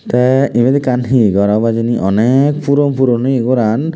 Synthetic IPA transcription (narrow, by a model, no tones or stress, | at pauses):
t̪ɛimed̪ikanɦiɡɔɾabad͡ʒiniʔɔnekpuɾɔmpuɾɔniɡɔɾan